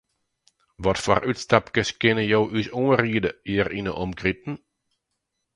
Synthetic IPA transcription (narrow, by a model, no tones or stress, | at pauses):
ʋɔtfɔ̰rytstapkəskɪnəjowʔysuːriədəiːrinəʔɔmkrip̚n̩